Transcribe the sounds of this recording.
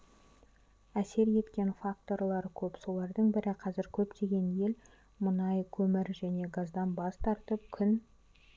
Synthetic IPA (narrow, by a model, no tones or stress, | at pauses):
æse̞ɾje̞t̪kʲe̞nfak̚t̪o̞ɾlˠɑɾkʲʰɵpso̞lˠɑɾd̪əɴbɪɾɪqʰɑzɪɾkʲʰɵpt̪e̞ɡʲe̞nje̞l | mʊnɑjkʲʰɵmɪɾʒæne̞ɡazd̪ɑnbɑst̪ʰɑɾt̪əp̚kʲʰʏn